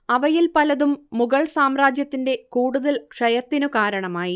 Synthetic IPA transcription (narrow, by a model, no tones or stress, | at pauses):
ɐʋɐjilpɐlɐðumːuɣɐɭsaːmraːd͡ʑjɐt̪ːinde̞kuːɽuðɐlkʂɐjɐt̪ːinukaːɾɐɳɐmaːji